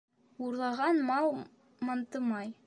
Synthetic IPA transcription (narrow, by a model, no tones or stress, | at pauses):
uɾlˠɑʁɑnmɑw̪ˠ | mɑnt̪ɤmɑj